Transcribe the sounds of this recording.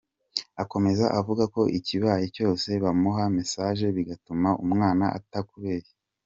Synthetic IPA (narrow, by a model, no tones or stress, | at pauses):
ako̞me̞zaʔavuɡako̞ʔiciβaːjeco̞ːse̞βamuɦamesaːʒe̞βiɡatumaumŋaːnaʔa̰takuβe̞ːɾe